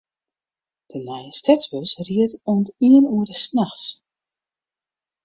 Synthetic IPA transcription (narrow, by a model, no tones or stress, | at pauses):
d̥ənɛjəstɛt͡sʋøsriətuntiənuərdəsnaxs